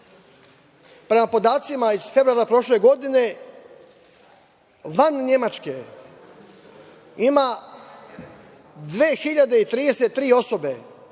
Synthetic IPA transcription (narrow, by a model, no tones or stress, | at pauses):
pɾe̞mapo̞d̪aːt̪simaizfe̞vɾuaːɾapɾo̞ʃle̞ɡo̞d̪ine̞ | ʋanɲe̞mat͡ʃke | ima | d̪ʋeːxiʎad̪e̞it̪ɾiːd̪e̞set̪ːɾiːo̞so̞be̞